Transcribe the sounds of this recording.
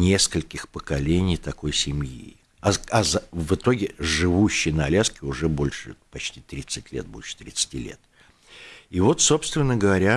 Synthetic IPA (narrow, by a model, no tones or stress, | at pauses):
nʲe̞skəlʲkʲɪxpəkɐlʲenʲɪjt̪ɐko̞jsʲɪmjḭ | ɐɐzvɨt̪o̞ɡʲɪʐɨvuɕːɪjnəɐlʲaskʲɪʊʐɛbo̞lʲʂɨpɐt͡ɕtʲi̥t̪ɾʲit̪sɨtʲlʲḛt̪̚bolʲʂə̥t̪ɾʲɪt̪sɨ̥tʲilʲḛt̪ | ivo̞t̪so̞pst̪vʲɪnːəɡəvɐɾʲa